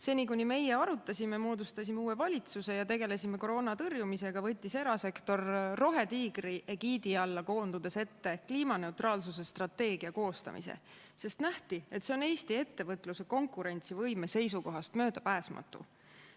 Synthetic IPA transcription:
se̞ːnikunʲime̞jeɑɾut̪ːˑɑsʲimemo̞ːd̪ust̪ɑsʲimeuːe̞vɑlʲit̪suse̞jɑt̪e̞ɡe̞le̞sime̞ko̞ɾo̞ːnɑt̪ɤrjumise̞ɡ̥ɑvɤt̪ʲːise̞ɾɑse̞kt̪o̞rːo̞ɦe̞t̪iːɡɾiʔe̞ɡiːd̪iɑlːɑko̞ːnd̪ud̪̥e̞se̞t̪ːe̞kliːmɑne̞wt̪ɾrɑːlsus̬e̞st̪rɑt̪ːe̞ːɡiɑko̞ːst̪ɑ̰mḭsḛ | se̞st̪næht̪ie̞t̪seo̞ne̞ːsʲt̪ie̞t̪ːe̞vɤt̪ːˑluse̞ko̞ŋkˑuɾe̞nʲt̪sivɤjme̞se̞jsuko̞ɦɑst̪mø̞ːd̪̥ɑpæːsmɑ̰t̪ːˑṵ

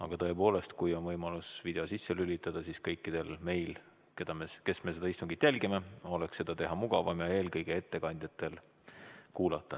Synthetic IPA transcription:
ɑ̰ɡ̥ɑt̪ɤ̞e̞po̞ːle̞st̪kujonvɤjmɑlusvid̪e̞osisːelylʲit̪ːˑɑd̪̥ɑsiskɤjkːid̪̥e̞lme̞jl | ke̞d̪̥ɑmeke̞sme̞se̞d̪ɑist̪uŋɡ̥it̪ːˑjælʲɡime̞o̞le̞ksːe̞d̪̥ɑt̪e̞ɦɑmuɡ̥ɑvɑmjɑe̞ːlkɤjɡ̥ee̞t̪ːe̞kɑnʲd̪̥ʲjɑt̪ːˑe̞l | kuːlɑt̪ːˑɑ

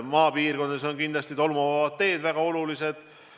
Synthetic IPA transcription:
mɑːpiːrɡ̥o̞nd̪eso̞nkind̪lɑst̪it̪o̞lmuvɑvɑt̪ːe̞ːd̪̥væɡ̥ɑo̞lulise̞d̪̥

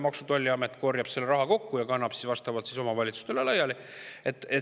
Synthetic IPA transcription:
mɑksut̪olʲːiɑmet̪ːˑko̞rjɑb̥se̞lːeɾɑɦɑko̞kːujɑkɑnːɑb̥si̥svɑst̪ɑvɑd̪siso̞mɑvɑlʲit̪su̥st̪elelɑjːɑli | et̪ːˑe

